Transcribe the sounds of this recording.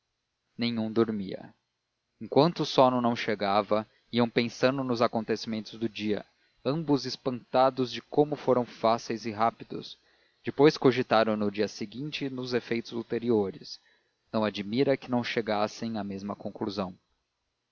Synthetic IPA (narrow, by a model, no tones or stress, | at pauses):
nẽjɲũd̪oɾmiɐ̰ | ẽŋkwɐ̃nt̪ʊsɔnʊnɐ̃w̃ʃeɡavɐ | iɐ̃w̃pẽsɐ̃nd̪ʊnʊzakõnt̪esimẽnt̪ʊzd̪ʊd͡ʒiɐ̰ | ɐ̃mbʊzɪspɐ̃nt̪ad̪ʊzd͡ʒɪkõmʊfoɾɐ̃w̃fasejzɪɦapid̪ʊ̰s | d͡ʒɪpojskoʒit̪aɾɐ̃w̃nʊd͡ʒiɐsɪɡĩnt͡ʃɪnʊzefejt̪ʊzut̪eɾioɾɪs | nɐ̃w̃ad͡ʒimiɾɐkɪnɐ̃w̃ʃeɡasẽj̃ɐmezmɐkõŋkluzɐ̃w̃